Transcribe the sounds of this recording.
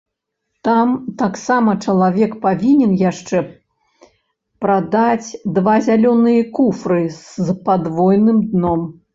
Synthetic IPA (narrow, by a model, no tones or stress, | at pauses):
t̪amt̪aksamɐt͡ʂɐlˠavʲɛkpavʲinʲɛnjaʂt͡ʂɛ | pɾad̪at͡sʲd̪vazʲalʲɔnɨjɐkufɾɨz̥pad̪vɔjnɨmd̪nɔm